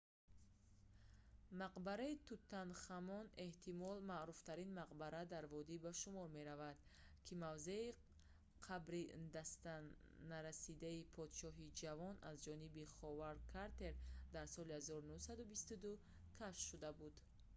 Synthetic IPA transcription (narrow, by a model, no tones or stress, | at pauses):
maqbaɾait̪ut̪ʰːanχamɔne̞ht̪ʰimɔlmaʔɾuft̪ʰaɾinmaqbaɾad̪aɾvɔd̪ibaʃumɔɾme̞ɾavad̪̥ | kʰimavze̞i | qʰabɾid̪ast̪a | naɾasid̪aipʰɔd̪ʃɔɦid͡ʒavɔnazd͡ʒɔnibiχɔvaɾkʰaɾt̪e̞ɾd̪aɾsɔlihazɔɾunuhsad̪ubist̪ud̪u | kʰaʃʃud̪abud̪